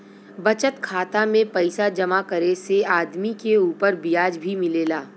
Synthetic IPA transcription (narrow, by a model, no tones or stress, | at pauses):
bɐt͡ʃət̪kʰaːt̪amẽpɐɪsad͡ʒɐmakɐɾeseaːd̪mikeuːpəɾbijaːd͡ʒbʱimɪleːlaː